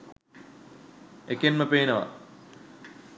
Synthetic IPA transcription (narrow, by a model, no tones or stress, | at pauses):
ekenməpeːnəʋa̰